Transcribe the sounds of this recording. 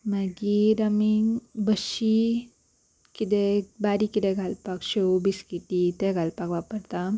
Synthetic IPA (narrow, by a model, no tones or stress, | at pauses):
maɡiɾəmiŋbəɕi | kit̪̬ebaɾikit̪eɡʱalpakɕebiskiʈit̪eɡʱalpakʋapəɾt̪a